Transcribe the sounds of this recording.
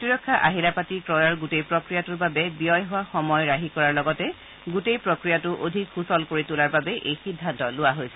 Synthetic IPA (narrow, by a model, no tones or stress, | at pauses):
tɹiɹɔkʰːaʔaɦilapatikɹɔjaɹɡutejpɹɔkɹijatuɹbabɛbijɔjɦʊwaxɔmɔjɹaɦikɔɹaɹlɔɡɔtɛ | ɡutejpɹɔkɹijatʊʔodʱikxusɔlkoɹitulaɹbabɛʔejxidʱːantɔlʊwaɦojsɛ̥